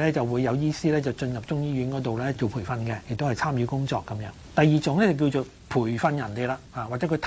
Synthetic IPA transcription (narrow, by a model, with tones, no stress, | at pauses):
lɛː˥t͡sɐ˨wuː˨˧jːɐ˨˧wjiː˥siː˥lɛː˥t͡sɐ˨wt͡ʃɵ˧njɐ˨p̚t͡sʊ˥ŋjiː˥ɥy˨˥nkɔː˨˥t̪̬o˨wlɛː˥t͡ʃo˨wpʰuː˨˩fɐ˧nkɛ˧jɪ˨k̚t̪o˥whɐ˨jt͡sʰaː˥mjyː˨˥kʊ˥ŋt͡sɔː˧kːɐ˨˥mjœː˨˧˥ŋt̪ɐ˨jːiː˨t͡sʊ˨ŋlɛː˥t͡sɐ˨wk̬iː˧wt͡ʃo˨˧ | pʰuː˨˩jfɐ˧njɐ˨˩nt̪e˨˧jlaː˧haː˨˧waː˨k̚t͡sɛː˨˥kʰːt̪ʰ